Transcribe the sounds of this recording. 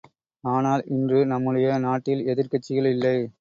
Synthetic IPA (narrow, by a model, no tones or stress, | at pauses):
aːnaːlʔɪndrɯnɐmːɯɽɐjɐnaːʈːɪlɛðɪɾkɐt͡ʃːɪɣɐɭɪlːɐɪ